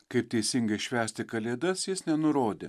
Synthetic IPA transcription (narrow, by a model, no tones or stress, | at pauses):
kɐɪp̚t̪ʲɛɪsʲɪŋɡɐɪʃʲʋʲæːsʲt̪ʲɪkɐlʲeːd̪ɐsjɪsnʲɛnʊɾoːd̪ʲḛː